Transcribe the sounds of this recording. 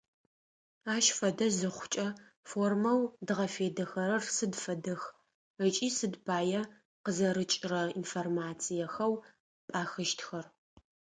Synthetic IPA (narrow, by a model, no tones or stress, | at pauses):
aːʃfɐdɐzɨχʷʊ̥t͡ʃʼɐ | foːrmɐwdɨʁɐfeːdɐxɐɾɐrsɨdfɐdɨx | ət͡ʃʼiːsɨdbʰaːjɛ | qəzɐɾɨt͡ʃʼɪrɐḭnformaːt͡sʰijɐxɐw | pʼaːxɨʃtxɐr